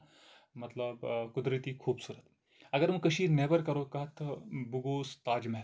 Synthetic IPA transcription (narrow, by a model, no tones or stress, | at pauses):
mɐt̪ləbkud̪ɾit̪iːkʰuːbsuːɾət̪ | ɐɡəɾməkəɕiːnebəɾkɐɾokaɦt̪ʰːəbuɡoːst̪aːd͡ʑmeɦ